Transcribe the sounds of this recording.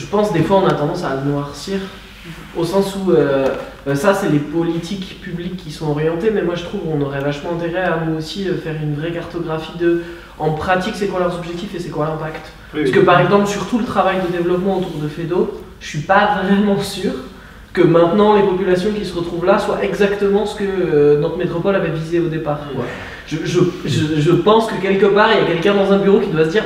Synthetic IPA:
ʒəpɑ̃sd̪efwaɔ̃nat̪ɑ̃d̪ɑ̃sanwaʁsiːʁ | osɑ̃suø | sasɛlepɔlit̪ʰikpyblikʲʰːisɔ̃ɔʁjɑ̃t̪emɛmwaʒət̪χuvkɔ̃nɔʁɛvaʃmɑ̃ɛ̃t̪eʁɛaməosiøfɛʁynvʁɛkaʁt̪ɔɡʁafid̪ə | ɑ̃pχat̪iksɛkwalœʁzɔbʒɛk̚t̪ifesɛkwalɛʁt̪akt̪ | pyskəpaʁɛɡzɑ̃plsyʁt̪ulət̪χavajd̪əd̪evlɔpmɑ̃ot̪uʁd̪əfed̪oʒə̥ʃɥipavʁɛmɑ̃syːʁ | kəmɛ̃t̪nɑ̃lepɔpylasjɔ̃kʲisəʁət̪χuvlaswaʔɛɡzakt̪əmɑ̃sə̥kəønɔt̪χəmet̪χɔpɔlavɛvizeod̪epaːʁ | ʒəʒəʒəʒəpɑ̃skəkʲɛlkəpaʁijakʲɛlkʲɛ̃d̪ɑ̃zɛ̃byʁokʲid̪wasəd̪iːʁ

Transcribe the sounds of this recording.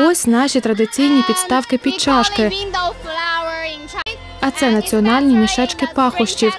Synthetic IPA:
ɔsʲnɑʃʲit̪ɾɐd̪ɪt͡sʲijnʲipʲit̪st̪ɑwkɪpʲid̪t͡ʃɑʃkɪ | ɐt̪sɛnɐt͡sʲiɔnɑlʲnʲimʲiʃɛt͡ʃkɪpɑxʊʃt͡ʃʲiw

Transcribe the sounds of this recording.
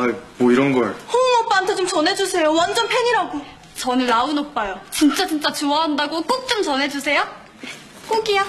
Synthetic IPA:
aiboiɾʌnɡʌɭhomʌp͈antʰet͡ɕomt͡ɕʌnɦe̞d͡ʑusʰe̞jowand͡ʑʌnpʰeɲiɾaɡo | t͡ɕʌnɯnːaunʌk̚p͈ajot͡ɕint͡ɕ͈at͡ɕint͡ɕ͈at͡ɕoʌɦandaɡok͈ok̚t͡ɕ͈omt͡ɕʌnɦe̞d͡ʑusʰe̞jo | k͈oɡija

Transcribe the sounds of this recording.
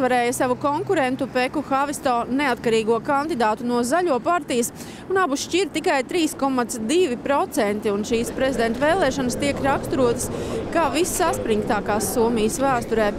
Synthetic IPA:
aɾɛːjəsaʋukɔŋkuɾɛnt̪upekuxavist̪ɔːneat̪kaɾiːɡuɔkand̪id̪aːt̪unuɔzaʎuɔpaɾt̪ijəs | unabuʃt͡ʃiɾt̪ikajt̪ɾiːskɔmat̪sd̪ivipɾɔt̪sɛnt̪iunʃiːspɾezid̪ɛnt̪veːlˠɛːʃɔnəst̪iɛkɾakst̪ɾuɔt̪ə̥skaːvisːaspɾiŋkt̪aːkaːsːuɔmijəsvæːst̪ɔɾɛː

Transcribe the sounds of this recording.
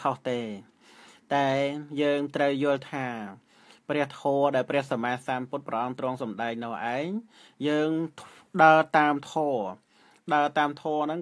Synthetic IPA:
kʰoht̪eː | t̪aɛjəːŋt̪rəwjʊ̆əlt̪ʰaː | prɛ̆əht̪ʰoːɗaɛlprɛ̆əhsamaːsanput̪̚prɑʔɑmt̪rɔ̆əŋsɑmɗaɛk̚nɔːʔaɛŋ | jəːŋɗaət̪aːmt̪ʰoː | ɗaət̪aːmt̪ʰɔːənɨŋ

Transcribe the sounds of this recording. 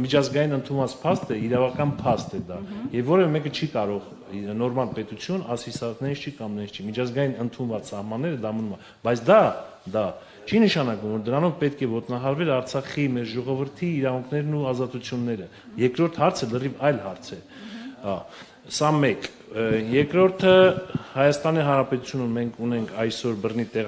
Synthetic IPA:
mit͡ʃʰɑzɡɑjinənt̪ʰunvɑt͡spʰɑst̪ɛiɾɑvɑkɑnpʰɑst̪ɛd̪ɑjɛvːɔɾɛvɛmɛkət͡ʃʰikɑɾɔʁ | nɔɾmɑlpɛt̪ut͡sʰjunɑsisɑnɛnʰt͡ʃʰikɑmnɛnsʰt͡ʃʰimit͡ʃʰɑzɡɑjinənt̪ʰunvɑt͡ssɑhmɑnːɛɾəd̪ɑmənumɑ | bɑjt͡sʰd̪ɑd̪ɑ | t͡ʃʰinəʃɑnɑkumvɔɾd̪əɾɑnɔvpɛt̪̚kʰɛvɔt̪nɑɦɑɾvɛlɑɾt͡sʰɑχimɛɾʒɔʁɔvəɾt̪ʰiːɾɑvuŋkʰnɛɾnuɑzɑt̪ut͡sʰjunːɛɾə | jɛɾkɾɔɾt̪ʰhɑɾt͡sʰələrivɑjlhɑɾt͡sʰɛ | hɑ | sɑmɛk | jɛɾkɾɔɾt̪ʰəhɑjɑst̪ɑniɦɑnɾɑpɛt̪ut͡sʰjunumːɛŋkʰunɛŋkʰɑjsɔɾbərnit̪ɛʁ

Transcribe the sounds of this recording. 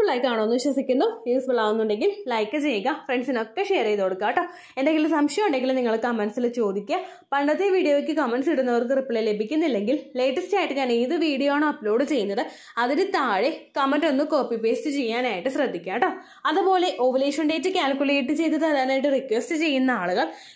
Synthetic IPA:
ɭɐjkːaːɳonːʋiɕʋɐsikʲːunːujuːsbɐɭaːʋunːuɳɖe̞ŋɡillɐjkːɨt͡ɕe̞jɡɐfreɳɖsino̞kːeɕe̞ːrejðo̞ːɽukːaːʈːo | e̞nd̪eŋɡilumsɐmʂɐjɐmuɳɖe̞ŋɡilumniŋːɐɭkɐmɐnsilt͡ɕo̞ːd̪ikʲːɐ | pɐɳɖɐt̪ːeʋiːɽijoːʋik̬ʲːɨkɐmenɖsiɽunːɐʋɐrkɨripːiɭele̞bʱikʲːunːilːe̞ŋɡille̞ːʈːɐsʈaːiʈːɨɲaːɳiðɨʋiːɽijoaːɳoɐpːlo̞ːɖɨt͡ɕe̞jːunːɐðɨ | ɐðiɾut̪aːɻekɐmɐnɖo̞nːɨko̞ːpːipeːstɨt͡ɕe̞jːaːnaːjiʈːɨɕrɐd̪ʱːikʲːaːʈːo | ɐðupo̞ːle̞ʔoːʋɐleːʂɐnɖe̞jtːɨkʲaːlkʲːule̞ːjʈːɨt͡ɕe̞jt̪̬ːɐðaðaːnaːjʈ̬ːɨrikʋesʈɨt͡ɕe̞jːunːɐaːɭuɣɐɭ

